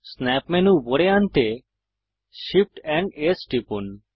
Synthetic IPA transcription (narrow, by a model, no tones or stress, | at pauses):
snɛpmɛnuboɽeant̪e | ʃip̚ʈɛɳɖesʈipun